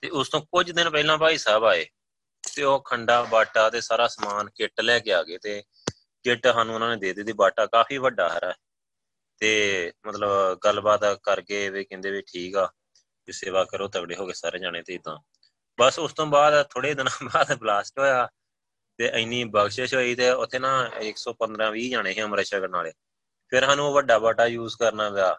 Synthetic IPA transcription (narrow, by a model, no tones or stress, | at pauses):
t̪eːʊst̪õːkʊd͡ʒd̪ɪnpɛːlãːpaːiːsaːbaːeː | t̪eːoːkʰəɳɖaːbaːʈaːt̪eːsaːɾaːsmaːnkɪʈlɛːkeːaːɡeːt̪eː | kɪʈːɦaːnũːʊnãːneːd̪eːd̪eːd̪iːbaːʈaːkaːpʰiːʋəɖaːɦɛːɾaːɛ | t̪eːmət̪ləbɡəlbaːt̪kəɾkeːʋeːkɛ̃nd̪eːʋiʈʰiːkaː | keseːʋaːkəɾoːt̪əkɽeːɦoːɡeːsaːɾẽːd͡ʒaːɽ̃eːt̪eːɪd̪ã̰ː | bəsʊst̪õːbaːd̪t̪ʰoːɽeːd̪ɪnãːbaːd̪blaːsʈɦoːjaː | t̪eːʔəɪniːbəɡʃəʃɦoːiːt̪eːʊt̪ʰːeːnãːɪksɔːpənd̪ɾãːʋiːd͡ʒaːɽ̃eːɦẽːəmɾeːʃəkəɾnaːleː | pʰɪɾɦaːnũːoːʋəɖːaːbaːʈaːjuːzkəɾnaːʋaː